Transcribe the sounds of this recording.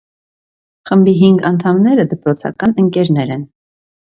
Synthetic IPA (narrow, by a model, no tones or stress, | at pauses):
χəmbiɦiŋɡɑnt̪ʰɑmnɛɾəd̪əpɾɔt͡sʰɑ̰kɑnəŋkɛɾnɛɾɛn